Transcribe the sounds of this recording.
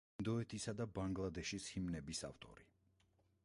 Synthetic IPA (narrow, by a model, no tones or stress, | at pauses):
nd̪ɔɛt̪ʰisad̪abaŋɡlˠad̪ɛʃishimnɛbisa̰ft̪ʼɔ̰ɾi